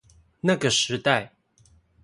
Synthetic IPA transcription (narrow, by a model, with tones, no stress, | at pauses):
na˥˨˩ɡə˨˩ʂɻ̩˧˦t̪a˥˨ɪ